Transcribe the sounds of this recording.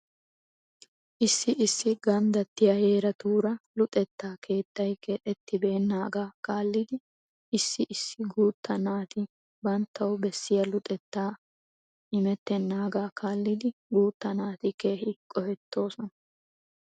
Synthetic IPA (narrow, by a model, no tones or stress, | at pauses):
ʔɪsːɪʔɪsːɪɡɐnd̪ɐt̪ːɪjɐheːɾɐt̪uːɾɐlʊt̪ʼɛt̪ːaːkʰe̞ːt̪ːɐjkʰɛʔɛt̪ːɪbeːnːaːɡaːkaːlːɪd̪ɪ | ʔɪsːɪʔɪsːɪɡuːt̪ːɐnaːt̪ɪ | bɐnt̪ʰːɐwbɛsːɪjɐlʊt̪ʼɛt̪ːaː | ʔɪmɛt̪ːɛnːaːɡaːkʰaːlːɪd̪ɪɡuːt̪ːɐnaːt̪ɪkeːhɪkʼɔhɛt̪ʰːo̞ːsɔnɐ